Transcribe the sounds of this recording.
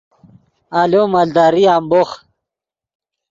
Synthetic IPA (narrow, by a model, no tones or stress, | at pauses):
alomald̪aːɾiaːmboχ